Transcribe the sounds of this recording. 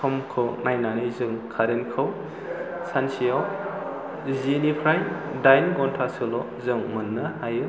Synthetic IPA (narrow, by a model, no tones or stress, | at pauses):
sʰɔmkʰɯwnajnanizɯŋkʰaɾenkʰɯw | sansijaw | zinipʰɾajdajnɡɔntʰasɯlɔ | zɯŋmɯnːɯhajɯ